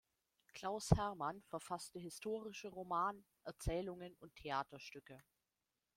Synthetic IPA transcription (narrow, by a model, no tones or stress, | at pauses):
kl̥aʊshɛɐmanfɛɐfastəɦɪstʰoːʁ̞ɪʃəʁomaːnə | ʔɛɐt͡sɛːlʊŋənʊntʰeaːtɐʃtʏkə